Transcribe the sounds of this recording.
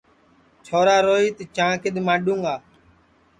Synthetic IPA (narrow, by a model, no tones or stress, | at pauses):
t͡ʃʰoːɾaːɾoːiːt̪ət͡ʃãːkɪɗ̪mãːɗũːŋɡaː